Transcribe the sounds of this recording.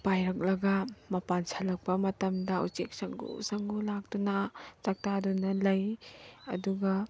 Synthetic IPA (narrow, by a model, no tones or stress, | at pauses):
pajɾɐk̚lɐɡɐmɐpansʰalɐk̚pɐmɐtɐmdɐṵt͡ʃek̚sɐŋɡṵsɐŋɡulak̚tunat͡ʃak̚tadunɐlɐjɐ̰duɡɐ